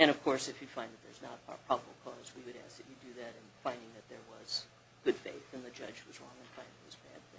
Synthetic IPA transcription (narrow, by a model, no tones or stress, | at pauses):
ɨ̃ɾ̃ʌv̥kʰɔɹsɨfjɨfãɪ̃nðɨt̪̚ðə̰˞znəɾə̰pʰɹ̥ɑbəbl̩ˠkʰɔzwiwɨɾæ̰sɨt͡ʃɨdɨðɨɾɨ̃nfãɪ̃ndɪ̃ŋðɨt̪̚ðə˞wʌz̥ | ɡ̥ʊd̥fḛɪθɨ̃nðɨd͡ʒʌ̰d͡ʒwʌzɹɔ̃ŋɨ̃nfãɪ̃nɪðzbæ̰d̪̚θɪ̃ŋ